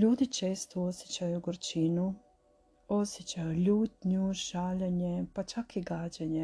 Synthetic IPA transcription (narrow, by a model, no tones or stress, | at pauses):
ʎuːd̪it͡ʃeːst̪oosʲjet͡ʃajuɡoɾt͡ʃinu | osjet͡ʃajuʎuːt̪ɲuʒaːʎeɲepat͡ʃakiɡaːd͡ʒeɲe